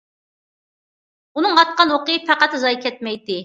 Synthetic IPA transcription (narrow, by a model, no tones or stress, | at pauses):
unɨŋɑt̪̚qɑnwoqɨpʰæqæt̪zɑjkʲʰɛt̪̚mɛjt̪ɪ